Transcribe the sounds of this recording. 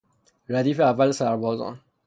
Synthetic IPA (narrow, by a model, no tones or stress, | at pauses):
ɾad̪ifɛavalsaɾbɔzɑ̰̃